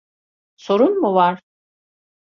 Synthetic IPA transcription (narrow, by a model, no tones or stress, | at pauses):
so̞ɾunmuvaɾ